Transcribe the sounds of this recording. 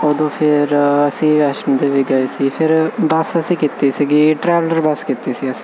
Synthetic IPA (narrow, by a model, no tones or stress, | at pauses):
oːd̪õːpʰɪɾɐsĩʋɛːʃənd̪eːʋɪɡaːesiːpʰɪɾbɐsəsĩkit̪ːiːsiːɡiːʈɾɛːʋləɾbɐskit̪isiːɐsĩ̥